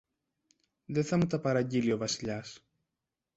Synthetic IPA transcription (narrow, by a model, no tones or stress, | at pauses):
ðeθɐmut̪ɐpɐɾɐɲɟilio̞vɐsiʎɐs